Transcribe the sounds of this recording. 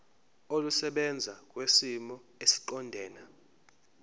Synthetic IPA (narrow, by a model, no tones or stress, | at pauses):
olusɛɓɛnd͡zʱak̬ʼwesimɔesi̥ǃɔndʱɛːna